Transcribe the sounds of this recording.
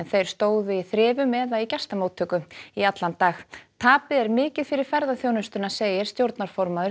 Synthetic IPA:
nθejɾ̥st̪oːwðɪiθɾɪːvʏmɛðaicɛst̪amoːwt̪ʰːʏkʏmiat̪lant̪ːaːxt̪ʰaːpɪðɛɾmɪːcɪðfɪɾɪɾ̥fɛɾðaθjoːwnʏst̪ʏnaseːjɪɾ̥st̪jowɾt̪naɾ̥fɔɾmaðʏ

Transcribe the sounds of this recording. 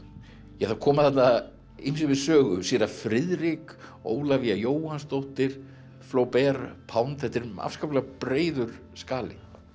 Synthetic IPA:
jɛɣθawkʰɔːmaðθɛt̪na | ḭmsɪvɪðsœːɣʏsiːɾafɾɪðɾɪko̰ːwlaviajoːwhanst̪oht̪ɪɾ̥ | floːwpɛɾpʰawnt̪θɛht̪ɪɾma̰fskawplɛɣapɾeːjðʏɾ̥ | skaːlɪ̰

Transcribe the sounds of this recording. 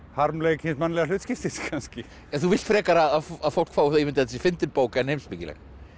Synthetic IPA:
haɾmlekhɪnsmanlɛɣlʏːt̪scɪft̪ɪskʰanscɪ | ɛθuvɪl̥t̪fɾɛːkaɾaðaaðfowl̥kfawθaimɪnt̪ɛt̪ːsifɪnt̪ɪɾpoːwkaɛnejmsmɪcɪlɛ̰ɣ

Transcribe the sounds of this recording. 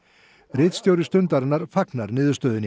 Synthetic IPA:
rɪt̪st̪jowɾɪst̪ʏnt̪aɾnaɾfaknaɾnɪːðʏst̪œːðɪnɪ

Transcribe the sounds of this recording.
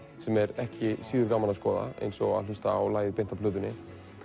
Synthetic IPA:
sɛmɛɾɛhcɪsiːðʏɾkaːmːanaskɔːða̰ḛjnsɔɣa̰ðlʏst̪aːwlaːjðɪpejnt̪pʰlʏːðʏnːɪ

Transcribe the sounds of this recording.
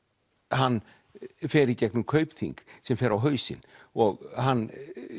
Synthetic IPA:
hanː | fɛːɾɪcɛknʏmkʰœɥpθḭŋksɛmfɛːɾawɦœːɥsɪ̰nɔɣhanː

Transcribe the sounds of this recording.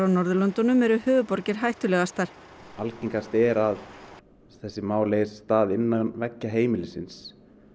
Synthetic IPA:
anɔɾðʏlɔnt̪ɔnʏmɛɾʏhʏːvʏpɔɾcɪɾ̥ɦajht̪ʏlɛɣast̪aɾ̥ | alciŋkast̪ɛɾað | θɛsːɪmaːwlesːt̪aːðɪnːanvɛcːaɦeːjmɪlɪsɪns

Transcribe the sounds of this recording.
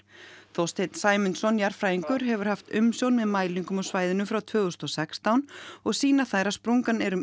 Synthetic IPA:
θowst̪ʰejt̪n̥saːjmʏnsɔnjaɾ̥fɾaːjiŋkʏɾɦɛvʏɾ̥haft̪ʏmsjownmɛðmaːjliŋkʏmɔwsvaːjðɪnʏmfɾawt̪ʰvœːɣʏst̪ɔsɛkst̪awnɔɣsiːnaθaːjɾaspɾuŋkanɛɾʏm

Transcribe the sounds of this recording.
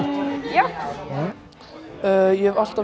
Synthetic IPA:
ja | øjɛhɛval̥t̪a

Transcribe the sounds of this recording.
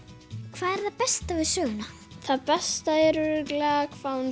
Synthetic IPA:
kʰvaːðɛɾ̥θaðpɛst̪avɪðsœːɣʏna | θaðpɛst̪aɛɾʏɾɪklaɣakʰvawn

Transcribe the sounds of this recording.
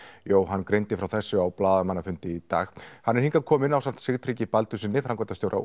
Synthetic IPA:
joːwɦanːkɾejnt̪ɪfɾawθɛsːʏawplaːðamanːafʏnt̪ɪit̪a̰ːxhanːɛɾ̥hiŋkakʰɔːmɪnawsan̥t̪sɪɣt̪ʰɾiːcɪpalt̪ʏsiːnːɪfɾaŋkɛt̪ast̪jowɾʔa̰

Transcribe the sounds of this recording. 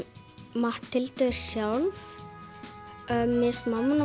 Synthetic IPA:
maht̪ʰːɪlt̪œɪɾ̥sjaːwl | œmːɪsmamːʏna

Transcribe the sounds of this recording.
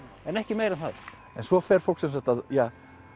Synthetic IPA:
ɛnɛhcɪmeːjɾɛnθa̰ð | ɛnsvɔfɛɾ̥fowlksɛms̬at̪aðjaː

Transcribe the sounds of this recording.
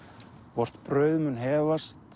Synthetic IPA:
vɔr̥t̪pɾœːɥðmʏnɦɛːvast̪

